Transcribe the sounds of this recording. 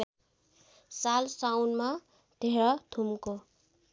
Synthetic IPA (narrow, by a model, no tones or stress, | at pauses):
salsawnma | d̪̥ʱeɾʌt̪ʰumko